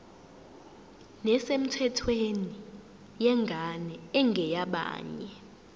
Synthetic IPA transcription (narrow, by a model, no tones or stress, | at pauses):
nɛsem̩tʰɛtʰweni | jɛŋɡʱanɛɛŋɡʱɛjaɓa̰ːɲɛ